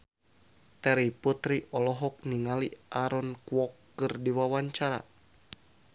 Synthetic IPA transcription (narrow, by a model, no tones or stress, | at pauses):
t̪ɛɾiput̪ɾiʔɔlɔɦɔk̚niŋaliʔaɾɔnkuwɔkːɨrdiwawaɲt͡ʃaɾa̰